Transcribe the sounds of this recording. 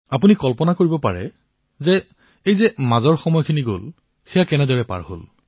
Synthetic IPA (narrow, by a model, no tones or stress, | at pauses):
apunikɔlpɔnakoɹibɔpa̰ɹɛ̰ | zɛ | ejzɛmazɔɹxɔmɔjɔkʰiniɡo̰l | xɛjakɛnɛdɔɹɛpa̰ɹho̰l